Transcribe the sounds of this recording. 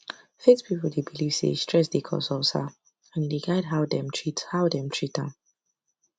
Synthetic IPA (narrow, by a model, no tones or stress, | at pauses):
fespʰipol̩debiliv̥sḛstʰɹ̥ɛsdekʰɔ̰sɔsa̰ | ãndeɡaɪdɦaʊdɛ̃mtʰɹithaʊdɛ̃mtʰɹitãn